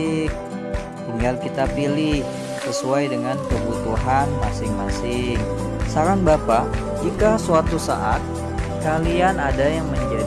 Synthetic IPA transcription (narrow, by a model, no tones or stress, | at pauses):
h | t̪iŋɡalkit̪apilɪh | səsuajdəŋankəbut̪uɦanmasɪŋmasɪŋ | saɾaŋbapa | d͡ʒikasuat̪usa̰ʔat̪̚ | kalianadajaŋməɲd͡ʒa